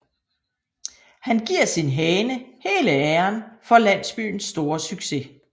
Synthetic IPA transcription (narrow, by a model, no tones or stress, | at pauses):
hænɡ̥iɐ̰sinɦɛːnəhe̝ːləæɐnfɒ̽læn̰sb̥y̰ːn̩sd̥o̝ːɐsyɡ̥se̝